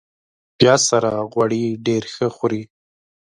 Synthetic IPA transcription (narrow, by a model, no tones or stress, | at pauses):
bjɑsaɾaɣwaɽiɖeɾxəxuɾi